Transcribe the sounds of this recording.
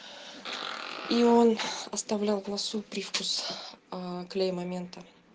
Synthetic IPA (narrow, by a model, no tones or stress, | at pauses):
io̞nɐst̪ɐvlʲalˠnɐsupɾʲifkus | klʲejmɐmʲe̞nt̪ə